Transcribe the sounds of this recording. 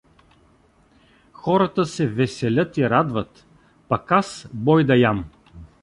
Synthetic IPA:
xɔɾət̪əsɛvɛsɛlʲɤt̪iɾad̪vət̪ | pɐkasbɔjd̪ɐjam

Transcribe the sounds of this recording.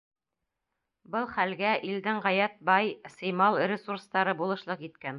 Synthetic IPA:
bɤlˠχælɡæʔild̪ɘŋʁæjæt̪̚bɑjsɤ̆jmɑlˠɾʲɪsurst̪ɑɾɤbulˠɤ̆ʃlˠɤqit̪kæn

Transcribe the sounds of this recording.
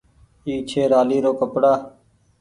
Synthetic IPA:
iːt͡ʃʰeːɾaːliːɾoːkəpɽaː

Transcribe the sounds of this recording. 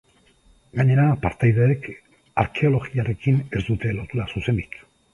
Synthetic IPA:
ɡaɲe̞ɾapaɾt̪ajðeːk | aɾke̞o̞lo̞ɣiaɾe̞kine̞zd̪ut̪e̞lo̞t̪uɾasuse̞nd̪ik

